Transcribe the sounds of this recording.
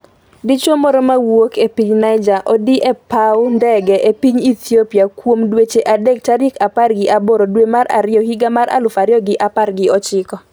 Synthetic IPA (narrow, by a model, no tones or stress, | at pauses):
dit͡ʃomɔɾɔmawokʰepiɲnajd͡ʒaʔɔdiʔɛpawndɛɡɛʔepiɲit̪ʰiopjakwomdwet͡ʃeʔadek̚t͡ʃaɾɪkaparɡɪʔaboɾodwemaɾa̰ɾɪjɔhiɡamaɾʔa̰lʊfaɾjɔɡɪʔaparɡɪɔt͡ʃɪkɔ